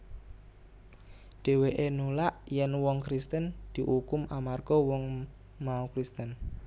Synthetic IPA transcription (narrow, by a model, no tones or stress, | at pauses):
ɖ̥e̤weʔenulaʔjɛnwɔŋkɾist̪ənd̪̥i̤ʔukʊmamarɡ̥ɔwɔŋ | maukɾist̪ən